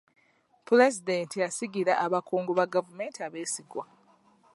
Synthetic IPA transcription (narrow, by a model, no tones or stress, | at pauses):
puɾezidentijasiɡiɾaʔaβakʰoːŋɡoβaɡavume̞ːntiaβe̞ːsiɡwa